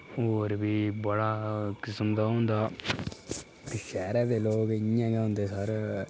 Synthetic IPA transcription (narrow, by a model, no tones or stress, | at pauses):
ɦoːɾbiːbəɽaːkɪsəmd̪aːɦõːnd̪aː | ʃɛːɾaːd̪eːloːkɪjãːɡɛ̃ːʊ̃nd̪eːsəɾ